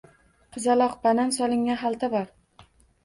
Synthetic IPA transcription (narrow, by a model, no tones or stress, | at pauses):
qʰɨzalˠɒqbanansɒlˠɪŋːanɦalˠt̪ʰabɒɾ